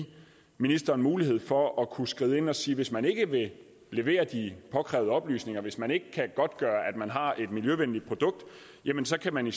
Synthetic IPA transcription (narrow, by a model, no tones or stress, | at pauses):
minisd̥ɐːnmuːliɦe̝ð̞̰ˠfɒ̽ɒ̽kʰusɡ̥ʁiːðˠe̝nɒ̽siːʋe̝smæne̝ɡ̥əʋe̝ | le̝ʋe̝̰ːɐd̥ipʰɒ̽kʰʁɛ̰ʊðˠəɒ̽b̥ly̰ːsne̝ŋɐʋe̝smæne̝ɡ̥əkʰæɡ̥ɒ̽d̥̚ɡ̥ɶːɐʔæd̥mænɦɑ̈e̝d̥miljøʋenlid̥̚pʰʁo̝d̥ɔ̽ɡ̥̚d̥ | jemənsɒ̽kʰæmæni